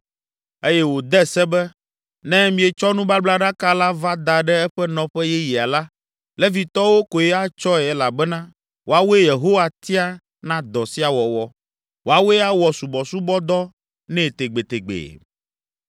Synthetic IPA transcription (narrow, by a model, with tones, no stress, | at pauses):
e˦jɛ˦wo˨d̪ɛ˦sɛ˦bɛ˦ | nɛ̃˦mĩ˨ɛ˨t͡ʃɔ˦nũ˦ba˦bla˦ɖa˦ka˦la˦va˦d̪a˨ɖɛ˦ɛ˦ɸɛ˦nɔ̃˨ɸɛ˦jɛ˦ji˨a˨la˦ | lɛ˦vi˨t̪ɔ˦wo˦ko˨jɛ˦a˦t͡ʃɔ˦ɛ˨ɛ˦la˨bɛ˦nã˦ | wo˨a˦we˦je˨ɦo˦wa˨t̪i˦a˦ | nã˦d̪ɔ˨si˦a˨wɔ˨wɔ˨ | wo˨a˨we˦a˦wɔ˨su˨bɔ˨su˦bɔ˦d̪ɔ˦ | nɛ̃˦˨t̪e˨ɡ͡be˨t̪e˨ɡ͡bḛ˨